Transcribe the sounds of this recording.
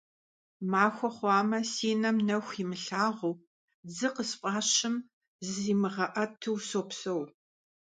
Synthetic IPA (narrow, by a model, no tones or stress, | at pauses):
maːxʷɔχʷɑːmɐsiːnɐmnɐxʷimɨɬaːʁuː | d͡zɨqəspʼɑːɕɪm | zɨziːmɨʁɐʔɐtʰɨwsoːpsɐw